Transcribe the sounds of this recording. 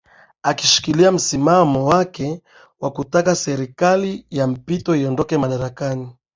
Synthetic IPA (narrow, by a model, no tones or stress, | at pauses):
akiʃi̥kiliam̩simamɔwakɛ | wakutakasɛɾikalijam̩pitɔiɔndɔkɛmaɗaɾakani